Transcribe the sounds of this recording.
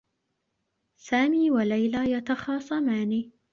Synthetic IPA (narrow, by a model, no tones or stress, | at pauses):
saːmiːwalajlaːjat̪ɑxɑːsˤɑmaːniː